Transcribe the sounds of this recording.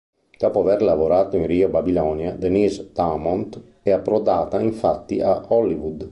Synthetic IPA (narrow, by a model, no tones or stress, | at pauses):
kapoavɛɾlavoɾaːt̪oĩnɾiobabilɔnjad̪enisd̪amɔnt̪ | ɛapːɾɔd̪aːt̪aiɱfat̪ːiahɔlːivud̪